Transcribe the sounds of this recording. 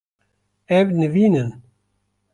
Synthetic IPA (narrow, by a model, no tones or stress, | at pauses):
ævnəvinən